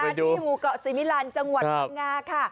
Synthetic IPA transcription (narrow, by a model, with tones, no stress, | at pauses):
a˧˨˦duː˧˨˩muː˨˦kɔ˨˩siː˨˩˦mi˦˧˥laː˨˦nt͡ɕa˧ŋwŋaː˧kʰa˥˩